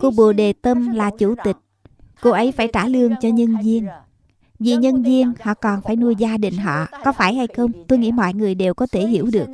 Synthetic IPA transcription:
ko˧ɓṵ˧˨ɗe˨˩t̪ə˧mlaː˨˩t͡ɕu˧˩t̪ï˨˩k̚ko˧ʔə˨˦jfaː˧˩jt͡ɕaː˧˩lɨ˧əŋt͡ɕɔ˧ɲə˧nzi˧ən | vi˨˩ɲə˧nzi˧ənhɔ̰˧˨kɔ˨˩nfaː˧˩jnu˧əjzaː˧ɗï˨˩ŋ̟ɦɔ̰˧˨kɔ˨˦faː˧˩jha˧jxə˧wŋ͡mt̪o˧jŋḭ˧˥mɔ̰˧˨jŋɨ˨˩əjɗe˨˩wkɔ˨˦t̪ʰe˧˩ɦi˧˥əwɗɨ˨˩ək̚

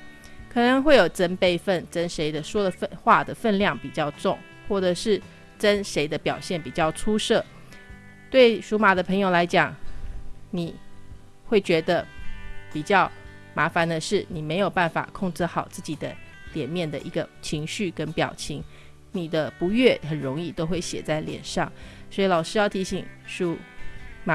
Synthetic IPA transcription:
kʰɤ˨˩nə˧˦ŋxwe˥˩ɪjo˨˩ʊʈ͡ʂə˥npe˥˧ɪfə˥˩nʈ͡ʂə˦nʂe˧˥ɪd̪ə˨ʂwɔ˥d̪ə˨fə˥xwa˥˩d̪ə˩fə˥˧nljɑ˥˩ŋpi˨˩t͡ɕjɑ˥˧ʊʈ͡ʂʊ˥˧ŋ | xwɔ˥˩ʈ͡ʂɤ˨˩ʂɻ̩˥˩ | ʈ͡ʂə˥nʂe˧˥ɪd̪ə˧pjɑ˨˩ʊɕjɛ˥˩npi˨˩t͡ɕjɑ˥˩ʊʈ͡ʂʰu˥ʂɤ˥˩ | t̪we˥˩ɪʂu˧˥ma˨˩d̪ə˦pʰɤ˧˥ŋjo˨˩ʊla˧˥ɪt͡ɕjɑ˨˩˦ŋ | ni˨˩ | xwe˥˩ɪt͡ɕɥɛ˧˥d̪ə˧pi˨˩t͡ɕjɑ˥˩ʊ | ma˧˥fa˧˥nd̪ə˧ʂɻ̩˥˩ni˨˩me˧˥ɪjo˨˩ʊpa˥˩nfa̰˨˩kʰʊ˥˧ŋʈ͡ʂ̩˥˩xɑ˨˩ʊt͡sɹ̩˥˩t͡ɕi˨˩d̪ə˦ | ljɛ˨˩nmjɛ˥˩nd̪ə̰˩ʔi˧˥ɡə˧t͡ɕʰi˧˥ŋɕy˥˩kə˥npjɑ̰˨˩ʊt͡ɕʰi˧˥ŋ | ni˨˩d̪ə˦pu˧˥ɥɛ˥˩xə˨˩nɻʊ˧˥ŋi˥˩t̪o˥ʊxwe˥˩ɪɕjɛ̰˨˩t͡sa˥˩ɪljɛ̰˨˩nʂɑ˥˩ŋswɔ˧˥i˨˥lɑ˨˩ʊʂɻ̩˥jɑ˥˩ʊt̪ʰi˧˥ɕi˨˩ŋʂu˧˥ma˨˩

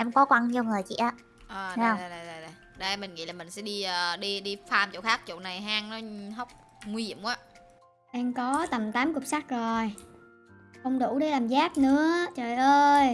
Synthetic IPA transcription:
ʔɛ˧mkɔ˨˦kwa˧ŋɲi˧wŋɨ˨˩əjt͡ɕḭ˧˨ʔaː˨˦ | ʔəː˨˩˧a˨˧˩ɗjɗa˨˩jɗa˨˩jɗə˧jmï˨˩ŋ̟ŋḭ˧˥laː˨˩mï˨˩ŋ̟sɛ̰˧˥ɗi˧əː˨˩ɗi˧ɗi˧faː˧mt͡ɕo̰˧˨xaː˦˥k̚t͡ɕo̰˧˨na˨˩jɦaː˧ŋnɔ˨˦ɦə˦˥wk͡p̚ | ŋwi˧hḭ˧˩əmwaː˨˦ | ʔɛ˧mkɔ˨˦t̪ə˨˩mt̪aː˨˦mkʊ˨˩p̚sa˦˥k̚zo˨˩j | ʔə˧wŋ͡mɗu˧˩ɗe˧˦laː˨˩mzaː˦˥t̚nɨ̰˧˦ət͡ɕəː˨˩jʔəː˧j

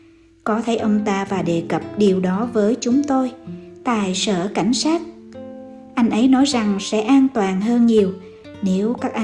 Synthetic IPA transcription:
kɔ˨˦t̪ʰə˨˦jʔə˧wŋ͡mt̪aː˧vaː˨˩ɗe˨˩kə˨˩p̚ɗi˨˩əwɗɔ˨˦vəː˨˦jt͡ɕʊ˨˦ŋ͡mt̪o˧jt̪a̰ː˧˨jsə̰ː˧˩ka˧˩jŋ̟saː˦˥t̚ | ʔa˧jŋ̟ʔə˨˦jnɔ˨˦jza˨˩ŋsɛ̰˧˥ʔaː˧nt̪waː˨˩nɦəː˧nɲi˨˩əw | ne˨˦wkaː˦˥k̚ʔa˧

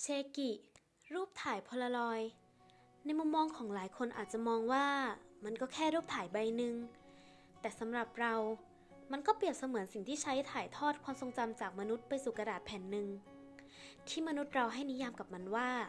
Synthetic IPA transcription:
t͡ɕʰeː˧ki˨˩ | ɾuː˥˩p̚t̪ʰaː˨˦jpʰɔ˧la˧lɔː˧j | na˧˥˧jmu˧˥˨mːɔː˧ŋkʰɔː˩˦ŋlaː˩˦jkʰo˧nʔa̰ː˨˩t̪̚t͡ɕa˨˩mɔː˧ŋwaː˥˩ma˧nkɔː˧˥˩kʰɛː˥˩˨ɾuː˥˩p̚t̪ʰaː˨˩˦jba˧jnɯ˧ŋ | t̪ɛː˨˩sa˨˩˦mɾa˨˩p̚ɾa˧w | ma˧˥˨nkɔː˥˩pi˨˩əp̚sa˧mɯ˩˦ənsi˨˩ŋt̪ʰiː˥˩t͡ɕʰa˦˥jt̪ʰaː˨˩˦jt̪ʰɔː˥˩t̪̚kʰaː˧mso˧ŋt͡ɕa˧mt͡ɕaː˨˩k̚ma˧nu˦˥t̪̚pa˧jsuː˨˩ka˧daː˨˩t̪̚pʰɛː˨˩˦nːɯ˧ŋ | t̪ʰiː˥˩ma˧nu˦˥t̪̚ɾa˧wɦa˥˩jni˦˥jaː˧mka˨˩p̚ma˧nwaː˥˩

